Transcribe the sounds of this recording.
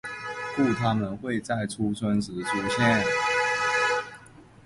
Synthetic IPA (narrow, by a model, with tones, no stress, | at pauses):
fu˥˩t̪ʰa˦˥mə˨nxwe˥˨ɪt͡sa˥˩ɪʈ͡ʂʰu˥t͡sʰwə˦˥nt͡sɻ̩˨˥ʈ͡ʂʰu˥ɕjɛ˥˨n